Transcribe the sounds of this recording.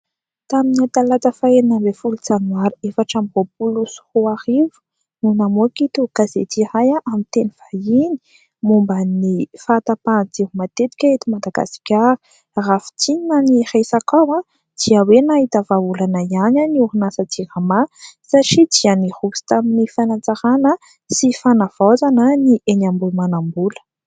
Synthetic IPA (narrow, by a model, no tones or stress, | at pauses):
t̪aminiat̪alat͡səfaenambefulut͡sanwaɾuefaʈ͡ʂamibop̚ulusu̥huaɾivu̥ | munamokit̪ukazḛt͡s̪iɾajaʔamint̪eniv̥ajini̥ | mumbənifaːt̪apad͡zeɦumat̪et̪i̥kʲaet̪imad̪aɡa̰si̥kʲaɾi̥ | rafi̥t͡siɲinanirejsakawã | d̪̥iəwenaɦit̪əvaulanaiananiuɾunasat͡siɾamasaʈ͡ʂid̪ianihusi̥t̪aminifanant͡saɾanə | sifanav̥ozanəniʔenambulmanambulə̥